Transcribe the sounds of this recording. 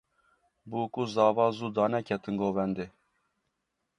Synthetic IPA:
buːkuzɑːvɑːzuːd̪ɑːnɛkʲʰɛt̪ɨnɡoːvɛnd̪e

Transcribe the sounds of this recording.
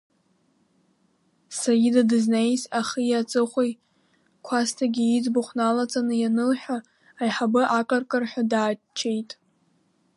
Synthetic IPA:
sarɡʲidadɨznejzaχijat͡sʼɨχʷej | kʷʰastʰaɡʲiid͡zbʊχʷnalat͡sʼanɨjanɨlħᶣaː | jħabɨʔakʼɨrkʼɨrħᶣadaː | t͡ʃʰe̞jtʼ

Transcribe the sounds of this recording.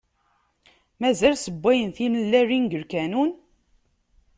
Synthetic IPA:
mæzælsəbʷːæjənθinəlːærinɡəɾkænun

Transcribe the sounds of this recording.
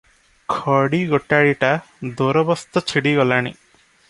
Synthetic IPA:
kʰɔɽiɡɔʈːaɭiʈa | d̪oɾɔbɔst̪ɔt͡ʃʰiɽiɡɔlaɽ̃ḭ

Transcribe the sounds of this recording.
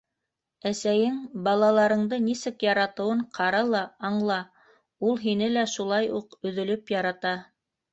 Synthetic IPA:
æsæjɘŋbɑlˠɑlˠɑɾɤ̆ɴd̪ɤnisɘkjɑɾɑt̪ɤ̆wɤɴqʰɑɾɑlˠɑɑɴlˠɑ | ulˠɦinɘlæʃulˠɑjuqɵ̆ðɵ̆lɵpjɑɾɑt̪ɑ

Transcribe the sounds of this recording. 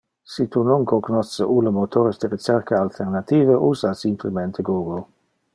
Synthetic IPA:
sit̪unoŋkokonɔsəʔuləmot̪ʰoːɾesd̪əɾit͡ʃɛɾkaalt̪ʰeʁnat̪iːvəʔuzasimplemɛnt̪ʰəɡuːɡol

